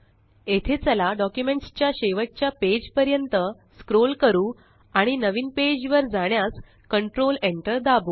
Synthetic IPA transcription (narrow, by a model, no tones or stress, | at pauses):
et̪ʰet͡səlaɖɔkjumeɳʈst͡ɕjaɕeʋət͡ɕjaped͡ʑpəɾjənt̪əskɾolkəɾuː | aɽ̃inəʋiːnped͡ʑʋəɾd͡zaɽ̃jas | kəɳʈɾoleɳʈəɾd̪abuː